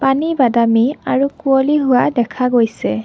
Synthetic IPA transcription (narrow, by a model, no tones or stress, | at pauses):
panibadamiaɹukuoliɦʊwadɛkʰaɡojsɛ